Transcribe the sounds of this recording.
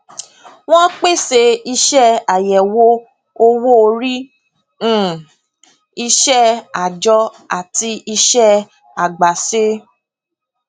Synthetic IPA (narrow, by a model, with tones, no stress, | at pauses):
w̃ɔ̃˦k͡pe˦˨se˧i˧ʃɛ˦˨a˨jɛ˨wo˦ | o˧wo˦o˧ɾĩ˦˨ | i˧ʃɛ˦˨a˨d͡ʒɔ˧˦ | a̰˨ti˧i˧ʃɛ˦ | a˨ɡ͡ba˨se˦